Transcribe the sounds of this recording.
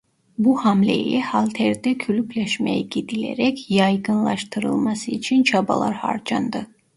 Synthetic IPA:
buhamlʲḛjihalʲˠt̪ʰɛɾd̪ɛkʰylʲypʰlʲɛʃmḛjɛɟid̪ilʲḛɾɛcjɑjɡɯnlˠaʃt̪ʰɯɾɯ̰lˠmasɯit͡ʃʰint͡ʃʰaba̰lˠa̰ɾha̰ɾd͡ʒa̰nd̪ɯ

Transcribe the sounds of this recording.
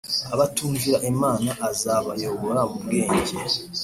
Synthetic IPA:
aβatuːɲviɾaʔemaːnaʔazaβa̰jo̞βo̞ɾamubɡeːɲɟe

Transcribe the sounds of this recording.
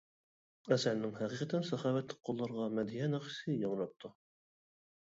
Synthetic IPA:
æsælnɪŋhæqiqæt̪ʰænsɑχɑːwɛt̪lɪk̚ʲqʰolˠːɑɾʁɑmɛd̪ijɛnæqi̥sɪjɑŋɾɑp̚t̪ʰu

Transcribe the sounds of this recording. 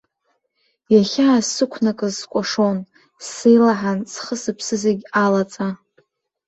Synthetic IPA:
jaχʲaːsɨkʷʰnakʼɨzskʷʼaʂo̞n | sejlaħansχəsɨpʰsɨzaɡʲalat͡sʼa

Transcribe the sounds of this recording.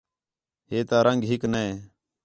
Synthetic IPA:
ɦeːt̪aːɾə̃ŋɡɦɪknəeː

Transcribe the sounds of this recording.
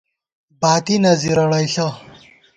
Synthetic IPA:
baːt̪inɐziɾɐɽɐjɬɐ

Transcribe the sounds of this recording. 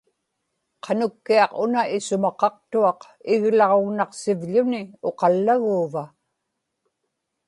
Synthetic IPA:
qʰɑnʊkːiɑqʊnaʔɪsʊmɑqɑqt̪uɑq | ɪɣlɑʁo̞ɣnɑqsɪvʎʊnɪo̞qɑlːaɣuːva

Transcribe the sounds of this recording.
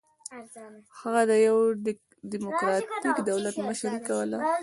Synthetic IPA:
haɣad̪əjaw | ɖimʊkɾɑt̪ikd̪awlat̪məʃaɾikawəla

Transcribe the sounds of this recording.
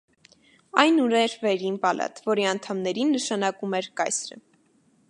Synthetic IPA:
ɑjnuɾɛɾvɛɾinpɑlɑ̰t̪vɔɾiɑnt̪ʰɑmnɛɾinːəʃɑnɑkumɛɾkɑ̰jsɾə̰

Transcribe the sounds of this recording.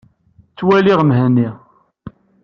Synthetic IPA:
t͡sːwæliʁmɦænːi

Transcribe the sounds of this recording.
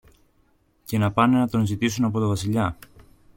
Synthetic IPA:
ce̞nɐpɐne̞nɐt̪o̞nzit̪isunɐpo̞t̪ovɐsiʎɐ

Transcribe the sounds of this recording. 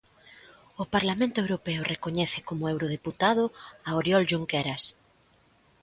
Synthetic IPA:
ʊpaɾlamẽnt̪ʊewɾopɛʊrekoɲɛθɪkomʊewɾoð̞eput̪aðʊaoɾjɔlʒuŋkeɾas

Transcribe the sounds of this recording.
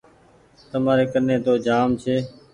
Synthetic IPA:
t̪əmaːɾeːkənẽːt̪oːd͡ʒaːmt͡ʃʰeː

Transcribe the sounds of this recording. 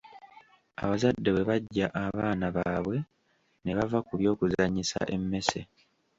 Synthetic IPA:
a̰βazadːe̞we̞βaɟːaʔaβaːnaβaːβwe̞ | ne̞βavakuβjo̞ːkuzaɲisa̰ʔe̞mːe̞se

